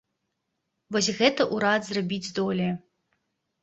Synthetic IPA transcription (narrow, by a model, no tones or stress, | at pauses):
vɔsʲɣɛt̪ɐʔuɾad̪zrabʲid͡zʲzd̪ɔlʲiɐ